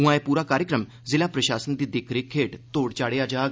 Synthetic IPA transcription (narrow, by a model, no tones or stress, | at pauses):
ũʋãepuːɾakaːɾjəkɾəm | d͡zilapɾəɕaːsənd̪id̪ekʰɾekʰeːʈt̪oːɽt͡ɕaːɽead͡ʑaːɡ